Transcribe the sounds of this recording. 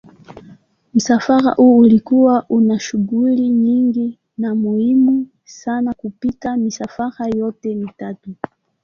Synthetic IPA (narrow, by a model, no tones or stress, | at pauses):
m̩safaɾa̰ʔuːulikuwaʔunaʃuɡuliɲiŋɡi | namuhimu | sanakupitamisafaɾajɔtɛmitatu